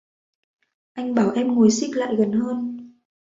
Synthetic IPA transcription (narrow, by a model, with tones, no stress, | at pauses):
ʔa˧jŋ̟ɓaː˧˩wʔɛ˧mŋo˨˩jsi˦˥k̚la̰ː˧˨jɣə˨˩nhəː˧n